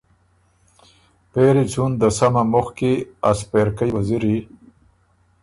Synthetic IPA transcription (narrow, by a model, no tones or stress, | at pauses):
peɾit͡sund̪əsamamuxkiaspeɾkəjwaziɾi